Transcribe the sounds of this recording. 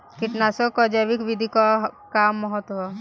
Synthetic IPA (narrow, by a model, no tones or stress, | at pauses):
kiʈnasɔkɔd͡ʒaʋikʋid̪ʱikɔkamːɔɦɔt̪ɦɔ